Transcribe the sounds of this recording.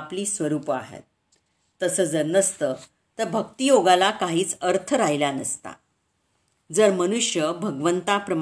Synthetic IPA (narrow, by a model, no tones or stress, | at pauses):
pliːsʋəɾuːpa̰ɦḛt̪̚ː | əsəːd͡zəɾnəst̪əː | t̪əɾbʱək̚t̪ijoɡalakaɦiːt͡səɾt̪ʰəɾaɦilanəst̪a̰ | d͡zəɾmənuʂjəbʱəɡʋənt̪apɾəm